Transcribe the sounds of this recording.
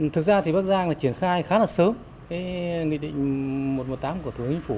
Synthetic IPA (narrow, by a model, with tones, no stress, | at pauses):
t̪ʰɨ˨˩k̚zaː˧t̪ʰi˨˩ɓa˦˥k̚zaː˧ŋlaː˨˩t͡ɕi˧˩ənxaː˧jxaː˨˦laː˨˩səː˨˦m | ke˨˦ŋḭ˧˨ɗḭ˧˨ŋ̟mo˨˩t̚mo˨˩t̚t̪aː˨˦mku˧˩ət̪u˨˧˦kt͡ɕi˧˦ŋ̟fu˧˩